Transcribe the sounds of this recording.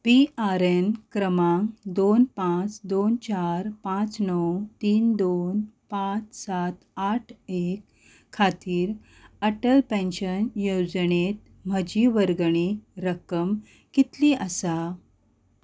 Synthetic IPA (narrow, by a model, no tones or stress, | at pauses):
piʔaɾenkɾəmãŋd̪onpãt͡sd̪ont͡ɕaɾpãt͡snɔwt̪iːnd̪onpãt͡ssat̪aʈʰekʰː | at̪iːɾ | əʈəlpẽnɕənjod͡zɳet̪ | m̤əd͡ʑiʋəɾɡɳiɾəkəm | kit̪liʔəsa